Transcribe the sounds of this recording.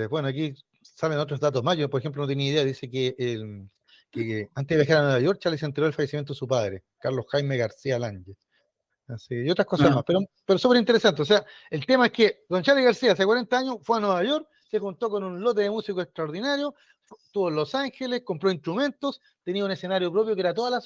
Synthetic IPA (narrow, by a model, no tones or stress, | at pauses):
ebwenoak̬i | saβenot̪ɾozðat̪ozmasʝopoɾexemplonot̪jeniiðeaðisekeʔː | keant̪eðejaxaɾanweβajo̞ɾ̚t͡ʃalisent̪eɾo̞elfajesimjent̪oesupaðɾe | kaɾlosxajmeɣaɾsialaɲd͡ʒe | asiejot̪ɾakosamaspeɾo | peɾosupeɾint̪eɾesant̪eosea | elt̪emaehkeɡont͡ʃaliɣaɾsiaasekwaɾe̞nt̪aaɲosfweanweβaʝo̞ɾk̚ | sexunt̪okonunlot̪eðemusikoekst̪ɾaoɾðinaɾjo | ft̪oðolosaŋxeleskompɾoinst̪ɾume̞nt̪os | t̪eniaunesenaɾjopɾop̬jokeeɾat̪̬oðalas